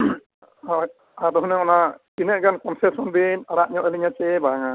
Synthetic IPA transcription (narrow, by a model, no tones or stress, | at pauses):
adɔɦɔnɛɔnakinɛʔ̚ɡankɔnsɛsɔnbinaɽaʔɲɔʔɛliɲat͡ʃɛbaaŋa